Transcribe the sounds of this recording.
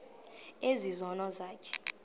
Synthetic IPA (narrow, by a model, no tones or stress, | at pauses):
ezizɔnɔzaːkʰɛ̥